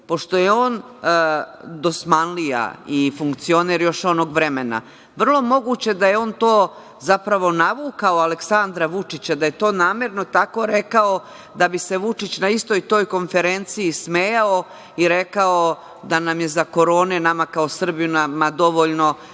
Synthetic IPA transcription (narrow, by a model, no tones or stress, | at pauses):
po̞ʃt̪o̞jeo̞ːn | d̪o̞smanlija̰ifuŋkt̪sio̞neɾjo̞ʃo̞no̞ɡʋɾemena̰ | ʋr̩lˠo̞mo̞ɡuːt͡ɕe̞d̪ajeo̞ːnt̪o̞ː | zapɾaʋo̞naʋuːkaoaleksand̪ɾaʋut͡ʂit͡ɕad̪aje̞t̪o̞ːnaːmeɾno̞t̪ako̞ɾe̞kao̞ | d̪abise̞ʋut͡ʂit͡ɕnaist̪o̞jt̪o̞ːjko̞nfe̞ɾent̪siːsmeːjao | iɾe̞kao | d̪anamje̞zako̞ɾo̞ːnenamakao̞sr̩bijunamad̪o̞ʋoʎno̞